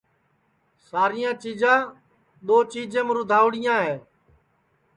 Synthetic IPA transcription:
saːɾɪjãːt͡ʃiːd͡ʒãː | ɗ̪oːt͡ʃiːd͡ʒẽːmɾʊd̪ʱaːʋɽɪjãːɦeː

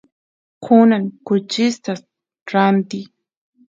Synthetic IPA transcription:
kʰʊnankʊt͡ʃɪst̪as | ɾant̪i

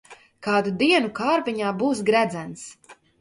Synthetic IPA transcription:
kaːd̪ud̪iɛnukaːɾpiɲaːbuːsɡɾæd̪zæns

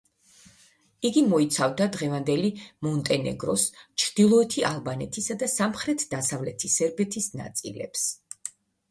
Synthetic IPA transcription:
iɡimɔit̪sʰavd̪ad̪ʁɛvand̪ɛlimɔnt̪ʼɛnɛ̰ɡɾɔst͡ʃʰɾd̪̥ilˠɔɛt̪ʰiʔalˠbanɛt̪ʰisad̪asamχɾɛt̪ʰd̪asavlɛt̪ʰisɛɾbɛt̪ʰisna̰t̪sʼḭlɛ̰ps

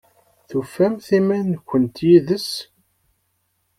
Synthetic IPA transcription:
θufæmθimænkʷːənt̪jiðəs

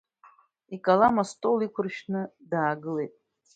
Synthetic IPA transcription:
ikʼalamastʼolikʷʰʊrʃnɨdaːɡɨle̞jtʼ

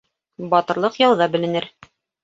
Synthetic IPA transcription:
bɑt̪ɤ̆ɾlˠɤqjɑwðɑbɘ̆lɘ̆nɘɾ

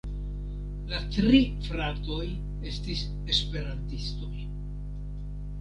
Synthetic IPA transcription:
latɾifɾato̞j | e̞stis | e̞spe̞ɾantisto̞j

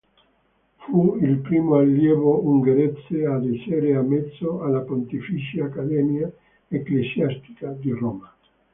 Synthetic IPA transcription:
fuilpɾimoaljeβouŋɡeɾet͡sead̪eseɾeamet̪soalapont̪ifisiaːkademja | eklesjast̪i̥kad̪eroma

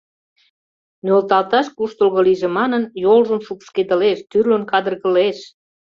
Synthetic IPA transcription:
nølt̪ɑlt̪ɑʃkuʃt̪olɣə̆liʒĕmɑnənjolʒəmʃukʃked̪ə̆leʃt̪yrlonkɑd̪ərɣə̆leʃ

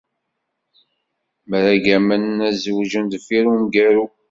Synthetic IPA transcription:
məɾæɡæmənnæzwʒənd̪fiɾumɡæɾu

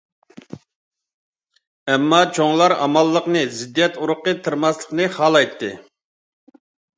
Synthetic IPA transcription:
ɛmːɑt͡ʃʰoŋlˠɑɾɑ̰mɑlˠːəqnɨzɪd̪ːijɛt̪uɾʊqːət̪ʰɨɾmɑslˠə̥qnɨχɑlˠɑjt̪ʰːɨ

